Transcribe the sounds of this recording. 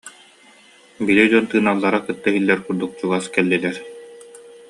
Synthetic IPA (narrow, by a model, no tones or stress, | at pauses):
bilid͡ʑuɔnt̪ɯːnaːlˠːaɾakɯt̪ːaɦilːɛɾkuɾd̪uk̚t͡ɕuɡaskɛlːilɛɾ